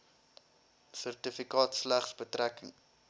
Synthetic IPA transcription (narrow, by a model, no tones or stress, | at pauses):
sərtəfikɑːtslæχsbətrækəŋ